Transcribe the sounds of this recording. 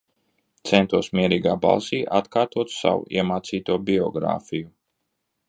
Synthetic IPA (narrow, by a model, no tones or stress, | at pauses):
t̪sɛnt̪uɔsmiɛɾiːɡaːba̰lˠsiːʔat̪kaːɾt̪uɔt̪ssa̰wṵiɛmaːt̪siːt̪uɔbiɔ̰ɡɾa̰ːfiju